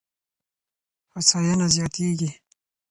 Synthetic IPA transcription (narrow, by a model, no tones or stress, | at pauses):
fasɑjanazjɑːt̪eːɡi